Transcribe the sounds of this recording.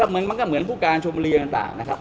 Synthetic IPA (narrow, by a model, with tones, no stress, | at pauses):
ɔː˥˩mɨ˧˦ənma˧nkɔː˥˩mɯ˩˦ənpʰuː˥˩kaː˧nt͡ɕʰo˧m˧ɾi˧t̪aː˨˩ŋt̪a̰ː˨˩ŋna˦˥kʰa˦˥p̚